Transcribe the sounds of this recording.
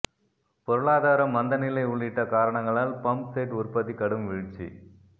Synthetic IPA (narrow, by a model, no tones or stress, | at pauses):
pɔɾɯɭaːðaːɾɐmːɐnd̪ɐnɪlɐɪʊɭːɪʈːɐkaːɾɐɳɐŋɡɐɭaːlpɐmpsɐːʈʊɾpɐðikɐɽɯmʋiɻʈt͡ʃːḭ